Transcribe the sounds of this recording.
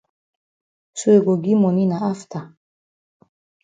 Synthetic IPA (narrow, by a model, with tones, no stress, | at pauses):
su˦eɡɔ˨ɡi˦mɔ˨nina˨a˦ft̪ʰa˨